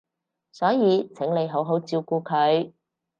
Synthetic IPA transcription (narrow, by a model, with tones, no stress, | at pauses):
sɔː˨˥jiː˨˧t͡sʰɪ˨˥ŋle˨˧jɦo˨˥wɦo˨˥wt͡siː˧wkuː˧kʰɵ˨˧ɥ